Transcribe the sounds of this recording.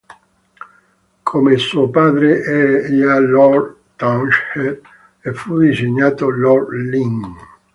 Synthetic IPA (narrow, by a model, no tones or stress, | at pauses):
kʰomelsuopaːd̪ɾeʔɛɾajalɔr | t̪anʃed̪ | efud̪iseɲːaːt̪olɔrliŋ